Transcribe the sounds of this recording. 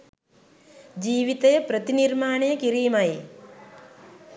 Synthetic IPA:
d͡ʒiːʋit̪ɐjɐpɾɐt̪iniɾmaːɳɐjɐkiɾiːmɐj

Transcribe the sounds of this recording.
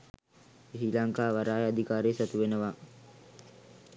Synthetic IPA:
isilaŋkaːʋaɾaːjad̪ikaːɾeːsat̪uʋenəʋaː

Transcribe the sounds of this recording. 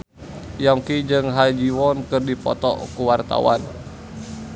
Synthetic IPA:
jaŋkid͡ʒɨŋɦad͡ʒiwɔnkɨrdipɔ̰t̪ɔ̰kuwart̪a̰wa̰n

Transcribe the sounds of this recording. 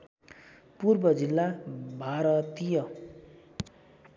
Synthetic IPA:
purbʌd͡zilːabʱaɾʌt̪ijʌ

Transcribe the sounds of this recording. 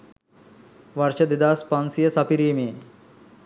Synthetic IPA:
ʋɐɾt͡ʃɐd̪id̪aːspansijɐsɐpiɾiːmeː

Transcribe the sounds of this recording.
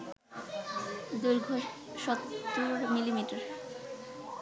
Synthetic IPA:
d̪uɾɡʱo | ʃɔt̪ːuɾmilimiʈaɾ

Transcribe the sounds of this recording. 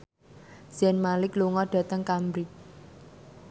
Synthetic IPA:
z̥ɛnmalɪkluŋɔɖ̥ä̤t̪əŋkambɾi

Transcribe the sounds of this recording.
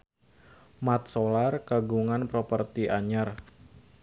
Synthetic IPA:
mat̪̚solarkaɡuŋanpɾopərt̪iʔaɲar

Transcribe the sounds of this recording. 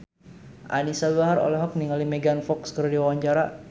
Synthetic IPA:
ʔa̰nisabuaɦaɾo̰lɛɦɔk̚niŋalimɛɡanfɔkskəɾadiwawaɲt͡ʃaɾa

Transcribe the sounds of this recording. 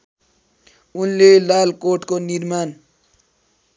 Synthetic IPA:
unlelalkoʈkoniɾman

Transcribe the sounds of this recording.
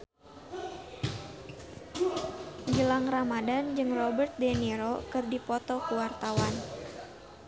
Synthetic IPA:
d͡ʒəlaŋramadand͡ʒɨŋrɔbərt̪̚dɛniɾokɨrdipɔt̪ɔkuwart̪awan

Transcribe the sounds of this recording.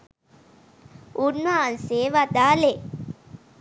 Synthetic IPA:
unmanseːʋad̪aːle

